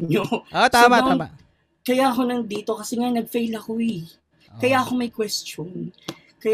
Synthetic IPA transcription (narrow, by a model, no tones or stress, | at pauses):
ɲoot̪amat̪ama | kɐjaʔɐko̞nɐŋd̪iːt̪o̞kɐsɛŋanɐɡ̚fejlɐko̞ɪ | kɐjaʔɐkomɐjkwɛst͡ʃon | kɐ